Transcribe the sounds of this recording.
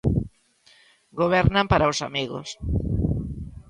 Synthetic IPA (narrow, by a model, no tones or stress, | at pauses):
ɡoβ̞ɛɾnampaɾaosamiɣo̰s